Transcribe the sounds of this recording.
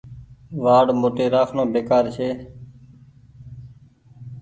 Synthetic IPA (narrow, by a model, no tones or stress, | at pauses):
ʋaːɽmoːʈeːɾaːkʰnõːbeːkaːɾt͡ʃʰeː